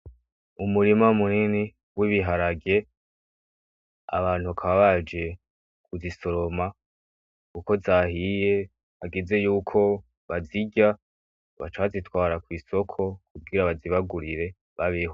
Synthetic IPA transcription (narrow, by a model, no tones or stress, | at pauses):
umuɾimamunini | wiβiɦaɾaɡe̞ | a̰βaːn̥huakʰaβaβad͡ʒe̞ | kuziso̞ɾo̞ma | kuko̞zahije̞ | haɡize̞juːkʰo̞ | βaziɟa | βa̰t͡ʃaβazitwaːɾakwiːso̞kʰo̞kub̚ɡiɾaβaziβaɡuɾiɾe̞ | βaβeho